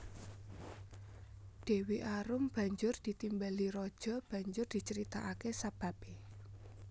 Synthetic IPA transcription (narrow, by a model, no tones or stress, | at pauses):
ɖ̪̥e̤wiʔaɾʊmb̥ä̤ɲd͡ʒʊrd̪̥i̤t̪imbaliɾɔd̥ʒ̥ɔ̤b̥a̤ɲd͡ʒʊrd̪̥i̤t͡ʃəɾit̪aʔakesab̥a̤be